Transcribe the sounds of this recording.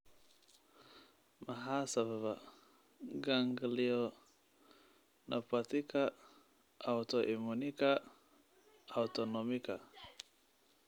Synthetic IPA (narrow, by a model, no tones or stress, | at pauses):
maɦasaβava | ɡaŋɡiliɔ | nʔapatika | ʔautɔʔimunika | autɔnɔmika